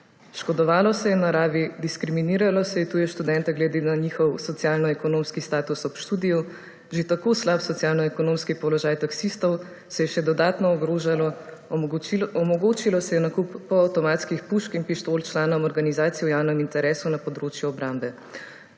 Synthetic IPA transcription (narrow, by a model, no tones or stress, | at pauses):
ʃkɔd̪ɔʋaːlɔsɛjɛnaɾaːʋid̪iskɾiminiːɾalɔsɛjɛt̪uːjɛʃt̪ud̪ɛnt̪ɛɡlɛd̪enaɲiːxɔwsɔt̪sijaːlnɔɛkɔnoːmskist̪aːt̪usɔpʃt̪ud̪ijɔ | ʒet̪akoːslapsɔt̪sijaːlnɔɛkɔnoːmskipɔlɔʒaːjt̪aksist̪ɔw | sɛjɛʃɛd̪ɔd̪aːt̪nɔɔɡɾoːʒalɔ | ɔmɔɡoːt͡ʃilɔsɛjɛnakupːɔawt̪ɔmaːt̪skixpuʃkinpiʃt̪oːlt͡ʃlaːnɔmɔɾɡanizaːt̪sijɔwjawnɛmint̪ɛɾɛːsunapɔd̪ɾoːt͡ʃjuɔbɾambɛ